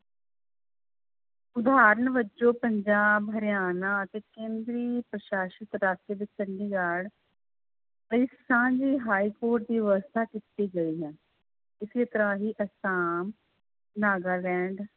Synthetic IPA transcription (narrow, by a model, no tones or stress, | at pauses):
ʊd̪aːɾəɳʋəd͡ʒoːpəɲd͡ʒaːbɦəɾɪjaːnaːət̪eːkẽːnd̪ɾiːpɾəʃaːʃɪt̪ɾaːseːbɪt͡ʃəɳɖiːɡaːɽ | ləiːsãːd͡ʒiːɦaːiːkoːɾʈ̚d̪iːʋəst̪ʰaːkɪt̪ːiːɡəiːɦɛ̃ː | ɪsit̪əɾãːɦiːʔəsaːm | naːɡaːlɛ̃ːɳɖ